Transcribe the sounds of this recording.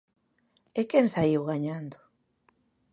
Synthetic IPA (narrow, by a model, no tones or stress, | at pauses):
ekensaiwɣaɲand̪o